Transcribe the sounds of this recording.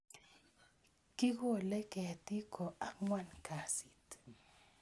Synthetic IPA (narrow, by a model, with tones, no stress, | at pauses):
ki˦ko˦˨lɛ˦kɛ˨ti˦kɔ˨ʔa˦ŋwa˦˨nka˨si˨t